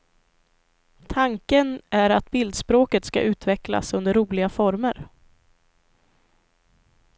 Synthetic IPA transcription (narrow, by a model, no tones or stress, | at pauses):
t̪ʰaŋkənʔæɾat̪̚bɪld̪spɾoːkət̪ska̰ʔʉ̟ːt̪vɛkla̰sɵnd̪əɾːuːlɪɡafɔɾməɾ